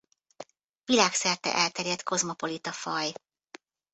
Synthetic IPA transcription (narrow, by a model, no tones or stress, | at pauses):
vilaːksɛrt̪ɛ̰ʔɛlt̪ɛɾjɛt̪ko̞zmo̞po̞lit̪ɒfɒj